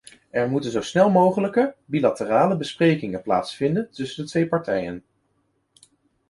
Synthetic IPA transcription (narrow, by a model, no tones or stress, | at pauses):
ɛɹmutənzowsnɛlˠmowχələkəbilatəraːləbəsprejkɪŋənpla̰ːtsfɪndəntɵsəndətʋejpɑɹtɛjə̰n